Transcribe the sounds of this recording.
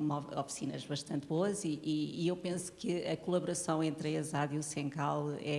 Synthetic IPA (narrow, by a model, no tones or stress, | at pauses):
ɔɔfi̥sinɐ̰ʒβɐʃt̪ɐ̃nt̪βoɐziʔːewpẽsu̥kɨɐkulˠɐβuɾɐsɐ̃w̃ẽnt̪ɾezaðjusẽŋkalˠɛ